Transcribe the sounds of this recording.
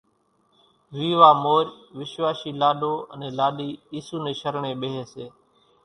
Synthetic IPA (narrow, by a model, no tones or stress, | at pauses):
ʋiːʋaːmoːɾʋɪʃʋaːʃiːlaːɗoːə̰nẽːlaːɗiːiːsuːneːʃəɾɳeːɓeːɦeːseː